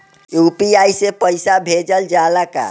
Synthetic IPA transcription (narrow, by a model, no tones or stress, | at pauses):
jupiajsepəjsabʱed͡ʒəld͡ʒalaka̰